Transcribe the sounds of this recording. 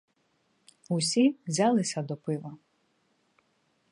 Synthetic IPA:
usʲiʋzʲɑlˠɪsʲɐd̪ɔpɪʋɐ

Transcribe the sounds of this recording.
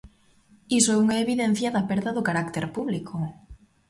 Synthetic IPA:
isoɛuŋaeβiðen̟θjaðapeɾðaðʊkaɾakt̪eɾpuβlikʰo

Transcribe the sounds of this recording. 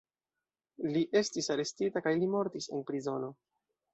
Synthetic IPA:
liʔe̞stisaɾe̞stitakajlimo̞ɾtise̞̰npɾizo̞no̞

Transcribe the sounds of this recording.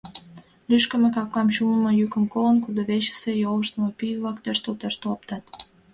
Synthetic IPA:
lyʃkə̆mekɑkːɑmʃuməməjykəmkolənkud̪oβeʃə̥sejoləʃt̪əmopyjəβlɑkt̪øʃt̪olt̪øʃt̪olp̚t̪ɑt̪

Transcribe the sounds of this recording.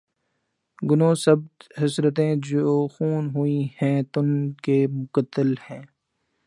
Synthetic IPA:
ɡʊnõːsɐb̚t̪ɦɪsɾət̪̬ẽːd͡ʒoːxuːnɦʊihɛ̃ːt̪ʊnkeːmʊkət̪ːəlhɛ̃ː

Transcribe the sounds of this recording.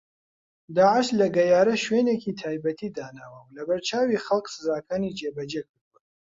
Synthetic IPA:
d̪aːʕɪʃlɐɡɐjaːɾɐʃweːneːkiːt̪ʰaːjbɐt̪ʰiːd̪aːnaːwɐwlɐbɐɾt͡ʃʰaːwiːxɐlˠksɨzaːkʰaːnid͡ʒeːbɐd͡ʒek̚ʰɨɾd̪uwɐ

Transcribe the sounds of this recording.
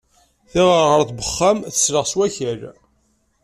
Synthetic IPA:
θɪʁəɾʁəɾθbəχːamθəsləʁswæçəl

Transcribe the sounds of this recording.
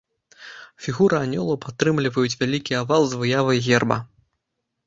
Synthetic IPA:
fʲiɣuɾɨanʲɔlˠɐwpat̪ːɾɨmlʲivɐjut͡sʲvʲalʲikʲiavalˠzvɨjavɐjɣʲɛrbɐ̰

